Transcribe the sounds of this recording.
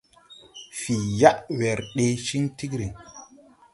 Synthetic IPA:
fi˨ja˦ʔwɛ˨ɾɗe˨˦ʃi˦ŋti˦kɾi˨ŋ

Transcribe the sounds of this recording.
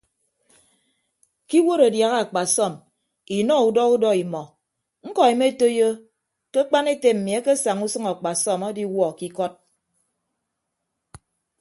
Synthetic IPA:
ki˦wo˦ɾa˨dja˨ɣa˦a˨k͡pa˨sɔ˦˨m | i˨nɔ˦u˨dɔ˦u˦dɔ˦i˨mɔ˨ | ŋ̩˦kɔ˨i˨me˦e˦to˦jo˦ | ke˦k͡pa˦ne˦te˨m̩˨mi˨a˦ke˦sa˨ŋu˦sɨ˦ŋa˨k͡pa˨sɔ˦˨ma˦di˦wɔ˦˨ki˦kɔ˦t̚

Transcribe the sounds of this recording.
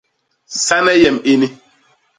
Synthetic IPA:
sa˦nɛ˦jɛ˨mi˦ni˦

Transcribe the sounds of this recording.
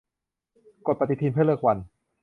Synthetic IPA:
ko˨˩pa˧t̪i˧˩t̪ʰiː˧npʰɯ˥˩˨lɤ˥˩k̚wa˧n

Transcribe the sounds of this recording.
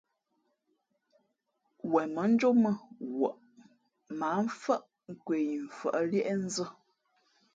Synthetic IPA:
wɛ˨mə˨˦n̩˦d͡ʒo˦mə˦˨wə̰˨ʔ | ma˨˦ɱ̩˦fə˦ʔ | ŋ̩˦kwe˨ji˨ɱ̩˨fə̰˨ʔə˦ljɛ˦ʔɛ˦n̩˦zə˦

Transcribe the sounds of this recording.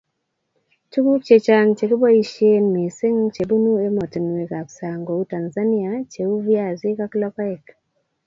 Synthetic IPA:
tu˦ku˦k̚t͡ʃe˨t͡ʃa˦ŋt͡ʃe˨ki˦ba˦i˦ʃe˦nmi˨se˦ŋt͡ʃe˨bu˦nu˦e˦mɔ˨ti˨n˨we˨ka˨ksa˨ŋɡo˨u˦ta˨nza˦ni˦a˨t͡ʃe˨u˦vja˨zi˦ka˦klɔ˦ka˦ɛ˨k

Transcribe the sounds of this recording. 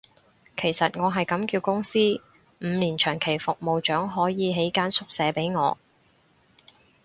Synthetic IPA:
kʰe˨˩jsɐ˨t̚ŋɔː˨˧ɦɐ˨jkɐ˨˥mkiː˧wkʊ˥ŋsiː˥ | m̩ː˨˧niː˨˩nt͡ʃʰœː˨˩ŋkʰe˨˩jfʊ˨k̚mo˨wt͡ʃœː˨˥ŋɦɔː˨˥jiː˨˧ɦe˨˥jkaː˥nsʊ˥k̚sɛː˨˧pe˨˥jŋɔː˨˧

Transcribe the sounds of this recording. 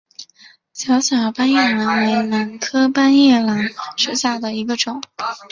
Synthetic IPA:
ɕjɑ˧˥ʊɕjɑ˨˩ʊpa˥njɛ˥˩la˧˥nwe˧˥ɪna˧˥nkʰɤ˥pa˥njɛ˥˩la˧˥nʂɻ̩˥ɕja˥˩d̪ə˩i˧˥ɡə˧ʈ͡ʂʊ˨˩˦

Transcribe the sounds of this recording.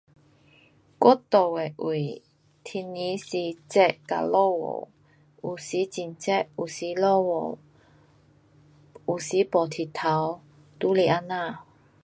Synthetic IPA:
kwɔ˥t̪o˨˩we˨ʔi˨˩ | t̪ʰi˧nːi˨˦si˧˩t͡sɛ˥˧ʔka̰˨˩lo˥˧˨wo̰˨˩ | u˨˩si˨˦t͡ɕi˨˩nt͡sɛ˥˩ʔu˨˩si˧˦lɔ˥˩wo˨˩ | u˨˩si˨˦pɔ˨˩t̪ʰi˨˩t̪ʰa˨˦w | t̪u˨˦le˨˩ʔa˧˥na˥˧˨

